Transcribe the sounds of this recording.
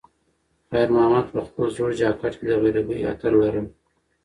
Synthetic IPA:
xajɾmahamat̪pəxpəlzoɽd͡ʒɑːkaʈked̪əɣeɾabəja̰t̪aɾlaɾəm

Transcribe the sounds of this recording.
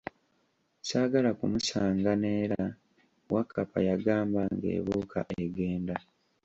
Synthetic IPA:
saːɡalakumusaːŋɡaneːɾa | wakːapa̰jaɡaːmbaŋɡe̞̰ːβuːkʰa̰ʔeɡe̞ːnda

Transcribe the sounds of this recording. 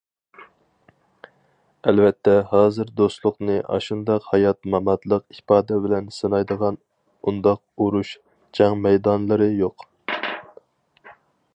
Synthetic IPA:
ɛlvɛt̪ʰːɛhɑːzɨɾd̪ost̪lˠʊqnɨʔɑ̰ʃund̪ɑqhɑjɑt̪̚mɑmɑt̪lˠəqipɑːd̪ɛbɪlɛnsɨnɑjd̪əʁɑn | und̪ɑq̚uɾuʃ | d͡ʒʰɑŋmɛjd̪ɑnlˠɨɾɨjoq

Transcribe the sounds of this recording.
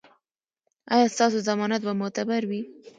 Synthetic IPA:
ɑjɑst̪ɑs̬ozamɑnat̪̚bamʊt̪abaɾwi

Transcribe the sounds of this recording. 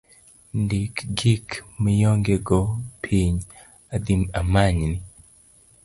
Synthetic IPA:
ndikɡikmijɔŋɡɛɡɔpʰiɲ | ad̪imamaɲni

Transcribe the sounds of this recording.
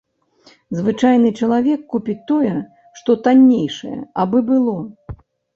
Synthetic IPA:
zvɨt͡ʂajnɨt͡ʂɐlˠavʲɛkːupʲit͡sʲt̪ːɔjɛ | ʂt̪ɔt̪anʲːejʂɐjɛ̰ɐbɨbɨlˠɔ

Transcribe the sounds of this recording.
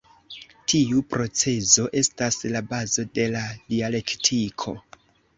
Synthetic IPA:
tʰiupɾo̞t͡se̞zo̞ʔe̞staslabazo̞de̞ladiale̞ktʰikʰo̞̰

